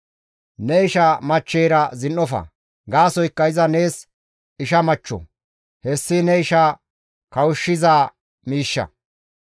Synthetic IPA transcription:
nɛɪʃɐmɐt͡ʃːeːɾɐzɪnːɔfɐ̰ | ɡaːsɔjɪkːɐjɪzɐne̞ːs | ɪʃɐmɐt͡ʃːɔ̰ | hɛsːɪnɛɪʃa | kɐwʊʃːɪzaː | miːʃːɐ̰

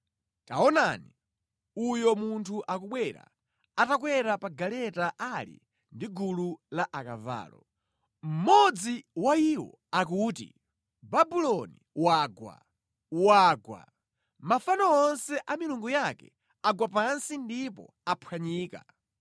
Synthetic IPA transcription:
ta̰ɔnani | ujɔmuntʰuʔakuɓwɛɾa̰ | atakwɛɾapaɡalɛtaʔalḭ | ndiɡululaʔakava̰ːlɔ̰ | m̩mɔd͡ziwaiwɔ̰ | ak̬uːtḭ | babulɔniwaːɡwa̰ | waːɡwa̰ | mafanɔɔnsɛʔamiluŋɡujakɛ̰ | aɡwapansindipɔ̰ | apʰwaɲiːka̰

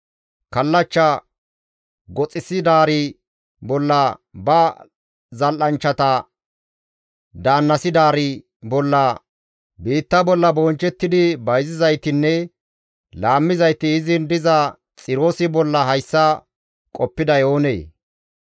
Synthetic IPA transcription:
kɐlːɐt͡ʃːɐ | ɡɔt͡sʼɪsɪd̪aːɾɪ | bɔlːɐbɐ | zɐlʔɐnt͡ʃːɐt̪ɐ | d̪aːnːɐsɪd̪aːɾɪ | bɔlːɐ | biːt̪ːɐbɔlːɐboːnt͡ʃːɛt̪ːɪd̪ɪbɐjzɪzɐjt̪ɪnːɛ | laːmːɪzɐjt̪ɪːzɪnd̪ɪzɐ | t͡sʼɪɾo̞ːsɪbɔlːɐɦɐjsːɐ | kʼɔpːɪd̪ɐjo̞ːnḛː

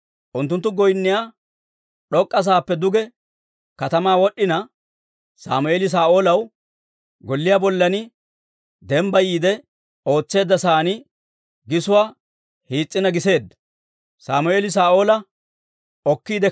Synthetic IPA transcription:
ʔʊnt̪ːʊnt̪ːʊɡɔjnːɪjaː | ɗɔkʼːɐs̬aːpːɛd̪ʊɡɛ | kɐt̪ɐmaːwɔɗːɪnɐ | sa̰ːmʊʔeːlɪs̬aːʔo̞ːlɐw | ɡɔlːɪjaːbɔlːɐnɪ | d̪ɛmbɐjiːd̪ɛ | o̞ːt͡sːe̞ːd̪ːɐsaːnɪ | ɡɪsʊwaː | hiːt͡sʼːɪnɐɡɪse̞ːd̪ːɐ̥ | sa̰ːmʊʔeːlɪs̬aːʔo̞ːlɐ | ɔkːiːd̪ɛ

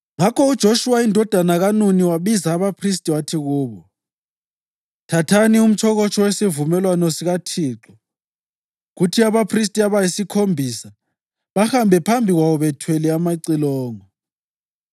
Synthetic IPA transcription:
ŋakʰɔud̥ʒ̥ʱoʃuwaindʱɔd̥ʱanaɣanuniwaβizaːβapʰris̬tʼiwatʰiɣuːβɔ | tʰatʰanium̩t͡ʃʰɔɣɔt͡ʃʰʼɔwesivumɛlwanɔsiɣatʰiːǁɔ | ɣutʰiaβapʰris̬tʼiaβajisikʰombʱisa | βahambʱɛpʰambʱiɣwaβɔβɛtʰwɛlɛamaǀilɔːŋɔ

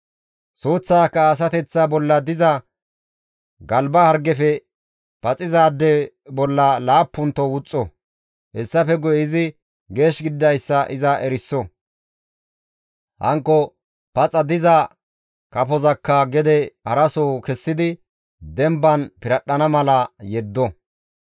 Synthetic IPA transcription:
soːt͡sːaːkːɐːs̬ɐt̪ɛt͡sːɐbɔlːɐd̪ɪzɐ | ɡɐlbɐhɐɾɡɛfɛ | pɐt͡sʼɪzaːd̪ːɛ | bɔlːɐlaːpːʊnt̪ːɔwʊt͡sʼːɔ | hɛsːɐfɛɡɔjɪzɪ | ɡe̞ːʃɡɪd̪ːɐjsːɐʔɪzɐʔɛɾɪsːɔ | hɐ̰ŋkːɔ | pɐt͡sʼɐd̪ɪzɐ | kɐpɔzɐkːɐɡɛd̪ɛhɐɾɐsɔːkɛsːɪd̪ɪ | d̪ɛmbɐnpɪɾɐɗːɐnɐmɐlɐjɛd̪ːɔ

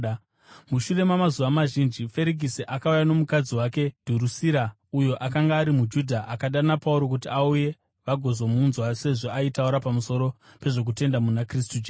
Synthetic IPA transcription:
muʃure̞mamazuʋamaʒind͡ʒife̞ɾiɡʱisiʔakaujano̞mukad͡ziwake̞d̥ʱuɾusiɾa | ujo̞ʔakaŋɡaːɾimud͡ʒudʱaʔakaɗanapauɾo̞k̬utiauje̞ | ʋaɡʱo̞zo̞munzwase̞ʐo̞aitauɾapamuso̞ɾo̞pe̞ʐo̞k̬ute̞ndamunakris̬tud͡ʒ

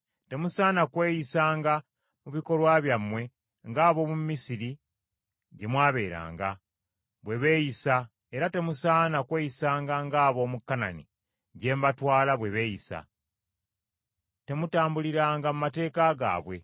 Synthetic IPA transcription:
te̞musaːnakwe̞ːjisaːŋɡa | muβiko̞lwaβjamːwe̞ | ŋɡaːβo̞mumisiɾi | ɟe̞mwaːβe̞ːɾa̰ːŋɡa̰ | βwe̞βe̞ːjisa | eɾate̞musaːnakwe̞ːjisaːŋɡaŋɡaːβo̞mukːana̰nḭ | ɟe̞ːmbatwaːlaβwe̞βe̞ːjisa̰ | te̞mutaːmbuliɾaːŋɡamumate̞ːkaɡa̰ːβwe̞̰

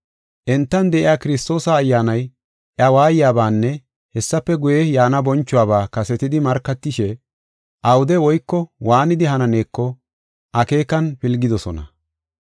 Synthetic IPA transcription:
ʔɛnt̪ːɐnd̪ɛʔɪjaːkɪɾɪst̪o̞ːsɐːjːaːnɐj | ʔɐwaːjɪjaːbaːnːɛ | hɛsːɐpːɛɡʊjɛjaːnɐbɔnt͡ʃːʊwaːbaːkɐsɛt̪ɪd̪ɪmɐɾkːɐt̪ːɪʃɛ | ʔɐwʊd̪ɛwɔjkːɔwaːnɪd̪ɪɦɐnɐne̞ːkːɔ | ʔɐke̞ːkːɐnpɪlɡɪd̪ɔsɔnɐ̰

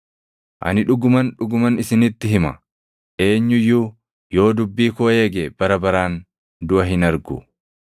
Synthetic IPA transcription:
ʔɐ̰nɪᶑʊɡʊmɐnᶑʊɡʊmɐnɪsɪnɪt̪ːɪɦɪmɐ | ʔe̞ːɲːʊjːuː | jo̞ːd̪ʊbːiːkoːeːɡeb̥ɐɾɐbɐɾaːn | d̪ʊʔɐɦɪnɐɾɡʊ

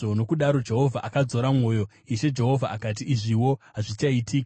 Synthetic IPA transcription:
ono̞kuɗaɾo̞d͡ʒe̞ɦo̞vʱaʔakad͡zo̞ɾamŋo̞ːjo̞ | iʃe̞d͡ʒe̞ɦo̞vʱaakat̬iːʐiwo̞ɦaʐit͡ʃaitʰiːka

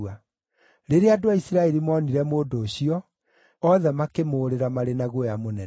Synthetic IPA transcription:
a | ɾeɾeadoaisiɾaɛɾimɔniɾɛmoːdoːɕiɔː | ðɛmakemoːɾeɾamaɾenaɣwojamonɛ

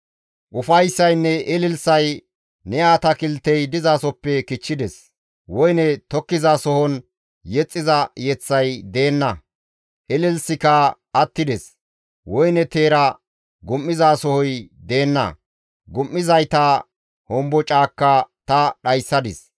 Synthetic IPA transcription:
ʔʊfɐjsːɐjnːɛʔɛlɪlsɐj | nɛaːt̪ɐkɪlt̪ːɛjd̪ɪzasɔpːɛkɪt͡ʃːɪd̪ɛs | wɔjnɛt̪ɔkːɪzasɔhɔn | jɛt͡sʼːɪzɐjɛt͡sːɐjd̪e̞ːnːɐ | ʔɛlɪlsɪkɐ | ɐt̪ːɪd̪ɛs | wɔjnɛt̪e̞ːɾɐ | ɡʊmːɪzaːsɔhɔjd̪e̞ːnːɐ̰ | ɡʊmːɪzɐjt̪ɐ | hɔmbɔt͡ʃʼaːkːɐt̪ɐɗɐjsːɐd̪ɪs

